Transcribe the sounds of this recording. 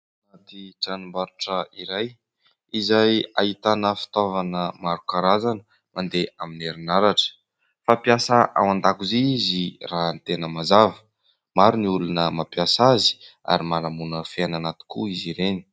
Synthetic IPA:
at̪iʈ͡ʂanumbaɾuʈ͡ʂəiɾaj | izajait̪anəfi̥t̪ovanəmaɾukaɾazanə | mand̪eʔamineɾinaɾaʈ͡ʂə̥ | fapjasəʔa̰wand̪akuzeizirant̪enəmazavə̥ | maɾuniulunəmapjasazi̥a̰ɾimalamunəfeananat̪i̥kuiziɾeni̥

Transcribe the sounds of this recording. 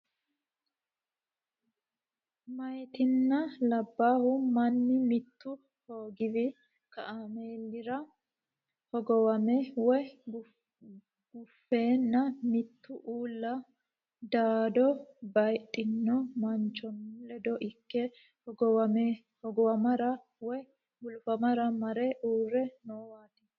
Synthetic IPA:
mɐjt̪ɪnːɐlɐbːaːhʊmɐnːɪmɪt̪ːʊ | ho̞ːɡɪvɪ | kɐʔameːlːɪɾɐ | hɔɡɔwɐmɛwɔ | ɡ̥ʊfːe̞ːnːɐmɪt̪ːʊʔuːlːɐ | d̪aːd̪ɔbɐjt̪ʼːɪnːɔmɐnt͡ʃːɔnlɛd̪ɔʔɪkːɛ | hɔɡɔwɐmɛ | hɔɡɔwɐmɐɾɐ | wɔ | ɡʊlfɐmɐɾɐmɐɾɛʔuːrːɛnoːwaːt̪ɪ

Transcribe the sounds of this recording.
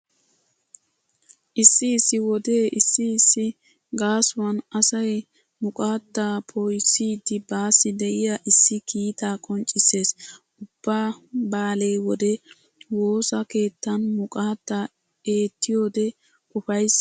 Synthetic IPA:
ʔɪsːɪːsːɪwɔd̪e̞ːʔɪsːɪːsːɪ | ɡaːsʊwɐnɐsɐj | mʊkʼaːt̪ːaːpʰojsiːd̪ːɪbaːsːɪd̪ɛʔɪjaʔɪsːɪkʰiːt̪aːkʼɔnt͡ʃʼːɪse̞ːsʔʊb̥ːaːbaːlejwɔd̪ɛ | wo̞ːsɐke̞ːt̪ːɐnmʊkʼaːt̪ːaː | e̞ːt̪ːɪjo̞ːd̪ɛ | kʊfɐjs

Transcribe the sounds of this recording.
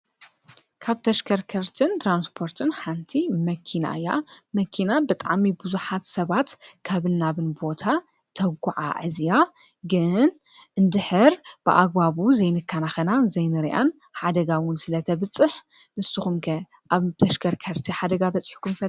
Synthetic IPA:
kʰaβt̪ʰɐʃkʰɐɾkʰɐɾt̪ʰɨnt̪ʰɾanspʰo̞ɾt̪ʰɨnħant̪ʰimɐkʰːina̰ɨjːa̰mɐkʰːinabɨt̪ʼa̰ʕmibɨzuħat̪sɐβat̪kʰaβɨnːaβɨnbo̞t̪ʰa | t̪ʰɐɡʷuʕa̰ʕɨzja | ɡɨn | ʔɨnd̪ɨħɨɾb̥ɨʔa̰ɡ̚baβuzɐjnɨkʰːanaxɐnazɐjnɨɾiʔa̰n | ħad̪ɐɡawʊnsɨlɐt̪ʰɐβɨt͡sʼːɨħ | nɨsːɨxumkʰɐ | ʔaβt̪ʰɐʃkʰɐɾkʰɐɾt̪ʰiħad̪ɐɡabɐt͡sʼːħkʰumfɐ

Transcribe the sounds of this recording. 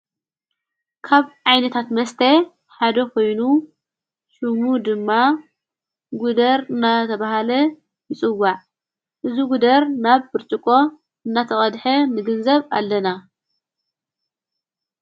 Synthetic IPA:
kʰaβʕajnɐt̪ʰat̪mɐst̪ʰe | ħad̪ɐkʰo̞jnu | ʃɨmud̪ɨmːa | ɡud̪ɐɾɨnːat̪ʰɐβaɦalɐ | jɨt͡sʼɨwːaʕ | ʔɨzuɡud̪ɐɾnaβbɨɾt͡ʃʼɨkʼo̞ | ɨnːat̪ʰɐχʼɐd̪ħɐnɨɡɨnzɐβa̰lːɐna

